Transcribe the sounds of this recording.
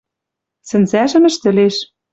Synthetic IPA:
sɘ̆nzæʒɘ̆mɘ̆ʃt̪ɘ̆leʃ

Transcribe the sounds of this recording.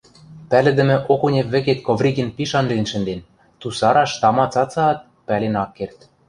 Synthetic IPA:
pælɘ̆d̪ɘ̆mɘ̆ʔokunʲeβɘ̆ket̪kovrʲiɡenpiʃɑnlinʃɘ̆nd̪en | t̪usɑɾɑʃt̪ɑmɑt͡sɑt͡sɑːt̪̚ | pælenɑkːert̪

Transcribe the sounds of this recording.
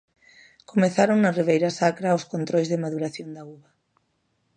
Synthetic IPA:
komeθaɾoŋnariβ̞ejɾasakɾaoskont̪ɾojzðemaðuɾaθjond̪auβa

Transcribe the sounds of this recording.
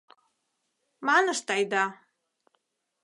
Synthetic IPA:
manəʃt̪ajd̪a

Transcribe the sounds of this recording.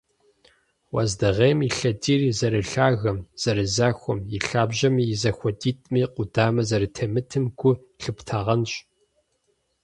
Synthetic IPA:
wa̰zdɨʁeːmiɬɐdiːrizɐɾɨɬaːɣɐmz̥ɐɾɨzaːxʷɔmjɪɬaːbʒɐmiːjɪzɐxʷɔdiːtʼmiːqʷʼʊdaːmɐzɐɾɨtʰɐmɨtʰɨmkʷʊ | ɬɨptʰaːʁɐnɕʼ

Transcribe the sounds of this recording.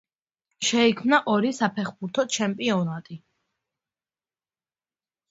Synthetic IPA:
ʃɛikʰmnaʔɔɾisapʰɛχbuɾt̪ʰɔt͡ʃʰɛmpʼiɔnat̪ʼi

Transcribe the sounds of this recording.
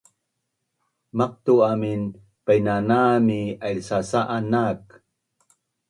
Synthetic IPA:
mɑq̚t̪uamin | pajnanaːmialsasaʔanaːk

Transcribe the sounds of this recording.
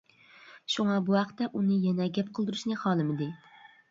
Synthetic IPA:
ʃuŋɑbuhæqt̪ːɛʔunɪjɛnɛɡʲɛp̚qʰəlˠd̪ɨɾɪʃnɪχɑːlˠɨmɪd̪ɪ

